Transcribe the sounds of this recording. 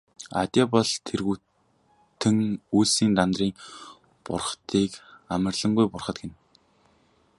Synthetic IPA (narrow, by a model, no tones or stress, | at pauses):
a̰t̪ʲjapɔɮt̪ʰerɣu | t̪ʰɘ̆ŋuːsiːnt̪ant̪riːŋ | pʊ̰rχt̪ʰiːkamə̆rɮə̆ŋɡujpʊrχə̆t̪̚ɡen